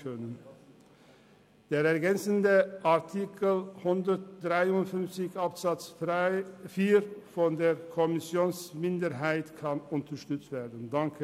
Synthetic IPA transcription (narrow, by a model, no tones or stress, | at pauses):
kʰœnən | d̥eːʁɛɐɡɛnt͡səndəʔaɐtʰikʰəlhʊndətd̥ʁaɪʊntfʏnft͡sɪçapsat͡s | fiːɾfɔndeːʁkʰɔmɪsjoːnsmɪndəɾɦaɪtkʰanʊntəʁʃtʏt͡stv̥eːɐdən̩daŋkʰə